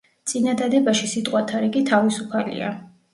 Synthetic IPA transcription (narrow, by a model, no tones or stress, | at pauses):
t̪sʼinad̪ad̪ɛbaʃisit̪ʼqʼwat̪ʰaɾɛkʼit̪ʰavisupʰalḭa̰